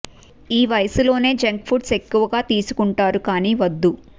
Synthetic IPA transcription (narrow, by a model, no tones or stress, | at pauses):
iːʋɐjɐsulo̞ːne̞ːd͡ʒɐŋk̚pʰuɖse̞kːuʋɐɡaːt̪iːsu̥kuɳʈaːɾukaːniːʋɐd̪ːu